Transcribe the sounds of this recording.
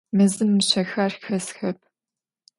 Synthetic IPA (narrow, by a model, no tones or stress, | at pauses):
mɨzɨmːɨɕɐxɐrxɐsxɐp̚ʰ